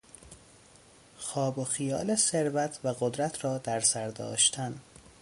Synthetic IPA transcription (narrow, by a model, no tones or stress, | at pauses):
xɒːboxijɒːleseɾvæt̪ʰvæɣod̪ɾæt̪ʰrɒːd̪æɾsæɾd̪ɒ̰ːʃt̪ʰæn